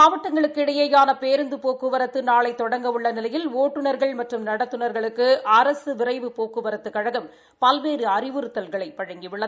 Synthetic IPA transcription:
aːʋɐʈːɐŋɡɐɭɯkːɪɽɐjeːjaːnɐpeːɾɯnd̪ɯpoːkɯʋɐɾɐt̪ːɯnaːɭɐɪt̪ːɔɽɐŋɡɐʋɯɭːɐnɪlɐjɪloːʈːɯnɐɾɣɐɭmɐʈrɯmnɐɽɐt̪ːɯnɐɾɣɐɭɯkːɯɐɾɐsɯʋɪrɐɪʋɯpoːkɯʋɐɾɐt̪ːɯkːɐɻɐɣɯm | pɐlʋeːɾɯɐrɪʋɯɾɯt̪ːɐlɣɐɭɐɪpɐɻɐŋɡiʋɪɭːɐ

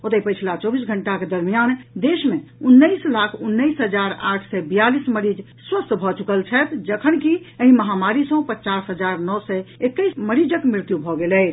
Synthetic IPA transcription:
ot̪əpət͡ʃʰlat͡ʃɔbisɡʱəɳʈaked̪əɾmijand̪esmeunːəɪslakʰunːəjsɦəd͡ʒaɾaʈʰsɛbijalisməɾid͡ʒ | swəst̪bʱɔt͡ʃukəlt͡ʃʰɛt̪d͡ʒəkʰənkiəɦĩməɦamaɾisə̃ɦũpət͡ʃasɦəd͡ʒaɾnɔsɛekːəɪsməɾid͡ʒəkmɾɪɾt̪jubʱɔɡelɛ

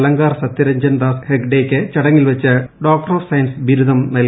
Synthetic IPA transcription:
lɐŋɡaːrsɐt̪ːjɐɾɐɲd͡ʑɐnd̪aːshekɖeːkʲːɨt͡ɕɐɽɐŋːilʋɐt͡ɕːɨɖoːk̚ʈɐroːfsɐjɐnsbiɾuðɐmnɐl

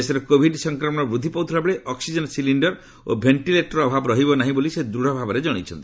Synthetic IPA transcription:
esɔɾɔkobʱiɖsɔŋkɾɔmɔɽ̃ɔbɾud̪ʱipɔwt̪ʰɔɾabɔɭeʔɔksid͡ʒɔnsiliɳɖɔɾ | obʱeɳʈileʈɔɾɔbʱabɔɾɔɦibɔnaɦĩbolised̪ɾuɽ̤ɔbʱabɔɾed͡ʒɔɽ̃it͡ʃʰɔnt̪i̥

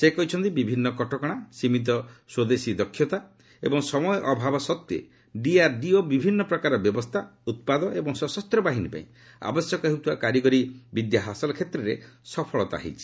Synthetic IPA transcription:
sekɔɦit͡ʃʰɔnt̪ibibʱinːɔkɔʈɔkɔɽ̃asimit̪̬ɔswod̪esid̪ɔkʰːjɔt̪a | ḛbɔŋsɔmɔjɔʔɔbʱabɔsɔt̪jḛ | ɖiaɾɖiobibʱinːɔpɾɔkaɾɔbjɔbɔst̪ʰaut̪̚pad̪ɔʔebɔŋsɔsɔst̪ɾɔbaɦinipa̰ĩ | a̰bɔsjɔkɔɦeɦeut̪ʰuwakaɾjiɡɔɾibid̪jaɦasɔlɔkʰet̪ɾɔɾesɔpʰɔɭɔt̪ɔa̰ɦḭt͡ʃʰi̥

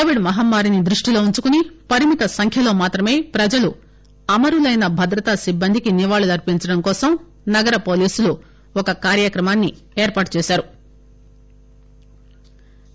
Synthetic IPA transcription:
oːʋiɖmɐɦɐmːaːɾinid̪ɾuʂʈilo̞ːuɲt͡ʃukunipɐɾimit̪ɐsɐŋkʰjɐlo̞ːmaːt̪ɾɐme̞ːpɾɐd͡ʒɐlu | ɐmɐɾulɐjnɐbʱɐd̪ɾɐt̪asibːɐnd̪ʱikiniʋaːɭulɐɾpiɲt͡ʃɐɽɐmkɔːsɐm | nɐɡɐɾɐpo̞ːliːsulu | ɔkɐkaːɾjɐkɾɐmaːnːi | eːɾpaːʈ̚t͡ʃɛːʃaːɾu

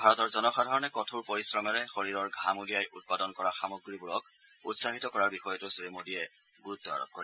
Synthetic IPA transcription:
bʱaɹɔtɔɹzɔnɔxadʱaɹɔnɛkɔtʰuɹpoɹisɹɔmɛɹɛxoɹiɹɔɹɡʱamudijajʔut̚padɔnkɔɹaxamoɡɹibuɹɔk̚ | ṵtsaɦitɔkɔɹaɹbixɔjɔtʊsiɹimodijɛ | ɡuɹut̪ːɔa̰ɹɔ̰k̚ko̰ɹi

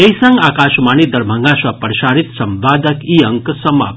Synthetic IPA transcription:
ejsɐŋɡaːkaʃmanid̪ɐɾbʱəŋɡãsapəɾʃaɾit̪sɐmʋaːd̪əkiəŋksɐma̰p

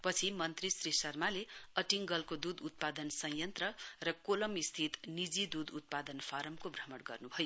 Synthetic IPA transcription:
pʌt͡sʰimʌnt̪risrisʌrmaleʌʈiŋɡʌlkod̪ud̪ut̪̚pad̪ʌnsʌ̃j̃jʌnt̪rʌrʌkolʌmist̪ʰit̪nid͡zid̪ud̪ut̪̚pad̪ʌnfʰaɾʌmkobrʌmʌɽɡʌrnubʱʌjo

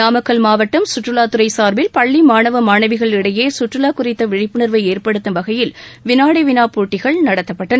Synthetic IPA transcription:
naːmɐkːɐlmaːʋɐʈːɐmsʊʈrɯlaːt̪ɯɾɐɪsaːɾbɪlpɐɭːimaːɳɐʋɐmaːɳɐʋɪɣɐɭɪɽɐjeːsʊʈrɯlaːkʊrɪt̪ːɐʋɪɻɪpːɯnɐɾʋɐɪeːrpɐɽɯt̪ːɐmʋɐɣɐjɪlʋɪnaːɽɐɪʋɪnaːpuːʈːɪɣɐɭnɐɽɐt̪ːɐpːɐʈːɐnɐ

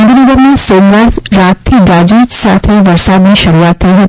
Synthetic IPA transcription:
d̪uɾiɡ̪əɾmãsomləɾɾat̪t̪ʰiɡad͡ʒit͡ʃsat̪ʰeʋəɾsad̪nĩʃəɾuat̪ʰːəiɦət̪

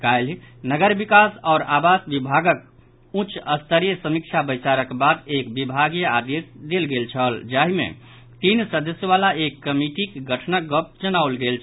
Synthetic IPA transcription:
kalnəɡəɾbikasɔːɾabasbibʱaɡək̚ | ut͡ʃəst̪əɾijəsəmik̚t͡ʃʰabəjsaɾəkbad̪ekbibʱaɡijəad̪esd̪elɡelt͡ʃʰəld͡ʒaɦimḛ̃ | t̪insəd̪əsjəβalaekːəmiʈikɡəʈʰnəɡəp̚d͡ʒənaulɡelt͡ʃʰ

